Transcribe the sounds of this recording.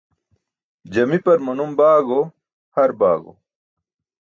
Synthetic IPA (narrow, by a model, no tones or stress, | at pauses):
d͡ʑɐmipɐɾmɐnumbaːɡo | hɐɾbaːɡo̰